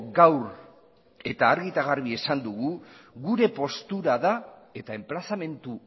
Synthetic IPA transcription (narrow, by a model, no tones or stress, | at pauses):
ɡawɾ | e̞t̪aːɾɣit̪aɣarβie̞sand̪uɣuɣuɾe̞po̞st̪uɾaðae̞t̪ae̞mplasame̞nt̪u